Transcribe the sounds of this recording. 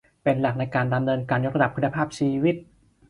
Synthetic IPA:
pe˧nla˨˩k̚na˧jkaː˧nda˧mnɤː˧nkaː˧njo˦˥k̚ɾa˧da˨˩p̚ku˧nːa˧pʰaː˥˩p̚t͡ɕʰiː˧wi˦˥t̪̚

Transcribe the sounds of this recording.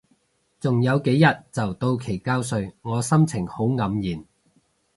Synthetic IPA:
t͡sʊ˨ŋjɐ˨˧wke˨˥jɐ˨t̚t͡sɐ˨wt̪o˧wkʰe˨˩jkaː˥ws̬ɵ˧ɥŋɔː˨˧sɐ˥mt͡sʰɪ˨˩ŋho˨˥wŋɐ˨˥mjiː˨˩n

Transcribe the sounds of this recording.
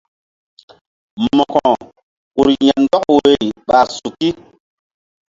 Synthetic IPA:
mɔ˨kɔ̃˨ | ku˨ɾja˨ndɔ˦kwe˨jɓa˨su˨ki˦

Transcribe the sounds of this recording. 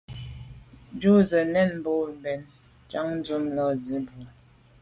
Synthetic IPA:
d͡ʒu˦zə˨nɛ˦˨nm̩˦bo˦˨bɛ˨n | t͡ʃa˦ŋn̩˦zu˦mlə˦˨zi˨˦bu˨

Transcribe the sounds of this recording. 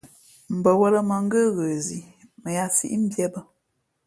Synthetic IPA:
m̩˨bə˨wə˦lə˦mə˨ŋ̩˦ɡə˦ɣə˨zi˨ | mə˨ja˦sḭ˦ʔm̩˦bjɛ˦bə˨

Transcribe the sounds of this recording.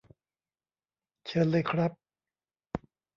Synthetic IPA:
t͡ɕʰɤ˧˥˨nlɤː˧jkʰɾa˦˥p̚

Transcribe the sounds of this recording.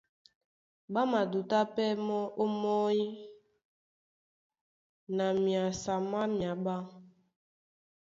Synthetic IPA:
ɓa˦ma˨du˨ta˦pɛ˦mɔ˦ʔo˦mɔ˦i˦ | na˨mi˨a˨sa˨ma˦m˨a˨ɓa˦

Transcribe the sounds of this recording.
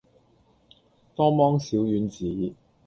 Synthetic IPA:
t̪ɔː˥mɔː˥ŋsiː˨˥wjyː˨˥nt͡siː˨˦

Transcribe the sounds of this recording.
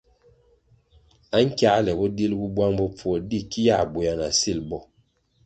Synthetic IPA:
a˦ŋ̩˦kja˦lɛ˨bɔ˦di˦lbu˦bwa˦ŋbɔ˦p͡fɔ˦˨di˦˨ki˦ja̰˦˨bu˨ja˨na˨si˦˨lbɔ˦˨

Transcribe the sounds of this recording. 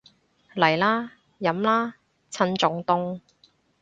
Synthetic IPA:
lɐ˨˩jlaː˥ | jɐ˨˥mlaː˥ | t͡sʰɐ˧nt͡sʊ˨˥ŋt̪ʊ˥ŋ

